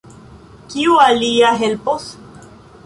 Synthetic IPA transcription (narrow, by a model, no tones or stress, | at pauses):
kiualiaɦelpos